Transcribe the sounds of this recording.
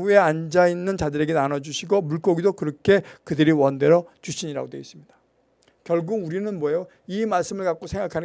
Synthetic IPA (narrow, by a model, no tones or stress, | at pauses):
ue̞and͡ʑainːɯnt͡ɕadɯɾe̞ɡe̞nanʌd͡ʑuɕʰiɡomuɭk͈ʌɡidokɯɾʌkʰe̞kɯdɯɾiwʌnde̞ɾʌt͡ɕuɕʰiɲiɾa̰ɡodeis͈ɯmɲid̥ḁ | kjʌɭɡuɡuɾinɯnmwʌjo | imaɭs͈ɯmɯɭkak͈̚osʰe̞ŋɡakʰan